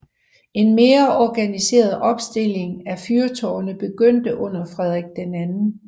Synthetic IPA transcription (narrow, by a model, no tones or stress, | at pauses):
e̝nme̝ːɐʔɒɡ̥ænise̝̰ːɐð̩ˠʔɒ̽b̥sd̥e̝le̝ŋæfyɐt͡sʰɒ̰ːɐnəb̥e̝ɡ̥øn̰d̥əʔɔ̽n̰ɐfʁɛðˠʁɛɡ̥̚d̥enænn̩